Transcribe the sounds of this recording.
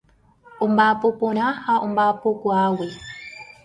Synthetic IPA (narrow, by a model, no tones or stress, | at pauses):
umbapoponahaʔumbapokwawe